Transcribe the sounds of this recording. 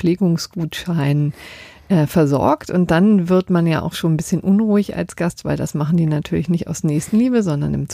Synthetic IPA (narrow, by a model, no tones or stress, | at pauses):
leːɡʊŋsɡ̥uːtʃaɪnən | ʔɛːfɛɐzɔ̰ɐktʔʊnt̚d̥anvɪɐtmanja̰ːʔa̰ʊxʃoːnbɪsçənʔʊnʁuːɪça̰lsɡ̥astv̥aɪldasmaχn̩diːnatʰyːɐlɪçnɪçta̰ʊsnɛːçstn̩liːbəzɔndɐ̰nɪ̰mt͡s